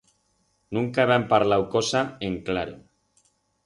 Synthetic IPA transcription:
nũŋkaeβampaɾlawkosaeŋklaɾo

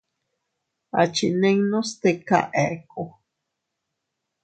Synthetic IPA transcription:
a̰t͡ʃineŋnost̪eka̰ʔeko

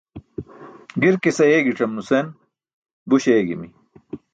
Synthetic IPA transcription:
ɡiɾkesɐjeːɡiʈ͡ʂɐmnusen | buɕeːɡḭmi

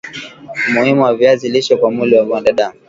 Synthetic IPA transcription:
muhimuwaviaziliʃɔkwamuliwaɓɔndaɗaŋ

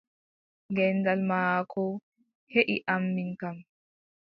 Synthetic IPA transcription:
ŋɡɛnːdalmaːkʰɔ | heʔiʔamːiŋkam

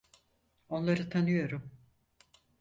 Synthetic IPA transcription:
o̞nlˠaɾɯt̪ʰanɯjo̞ɾum

